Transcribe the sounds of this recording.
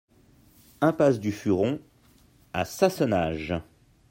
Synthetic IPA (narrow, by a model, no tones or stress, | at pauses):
ɛ̃pasd̪yfyʁɔ̃ | a̰sasɔnaːʒ